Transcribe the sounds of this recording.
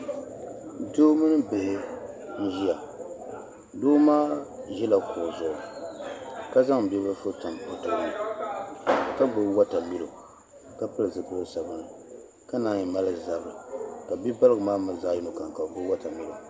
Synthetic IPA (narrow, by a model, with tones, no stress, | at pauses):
doː˦mɨ˦nɨ˦be˨ʔɪ˦ | n̩˦ʒi˦a˨ | doː˦maː˦ʒɛ˦la˨kʰʊ˨zʊ˨ʊ˨ | ka˦za˦ŋ˨bɛ˦bɨ˦fo˦ta˨mo˨˦tɨ˨bʊ˨nɨ˨ | ka˦bo˨˦wa˦ta˨mi˦lo˨ | ka˦pɨ˦lɨ˨zɨ˨kʊ˦˨sa˨bɨ˦nɨ˨ | ka˦na˦ɲi˨ma˦lɨ˦˨za˨bɾɨ˨ka˨bi˦ba˦lɨ˦ɡɨ˨maː˦ma˨zaː˦ji˦no˨ka˨ŋ˨ka˨bo˦wa˦ta˨mi˦lo˨